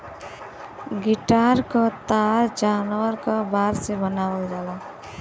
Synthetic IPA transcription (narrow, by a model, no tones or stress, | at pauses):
ɡiʈaɾkɔt̪aɾd͡ʒaːnʋəɾkɔbaːɾsebənawəld͡ʒaːla